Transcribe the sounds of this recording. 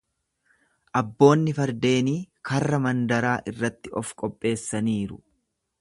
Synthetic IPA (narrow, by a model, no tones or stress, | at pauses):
ʔɐbːo̞ːnːɪfɐɾd̪e̞ːniːkɐrːɐmɐnd̪ɐɾaːʔɪrːɐt̪ːɪʔɔfkʼɔpʼːe̞ːsːɐniːɾʊ̰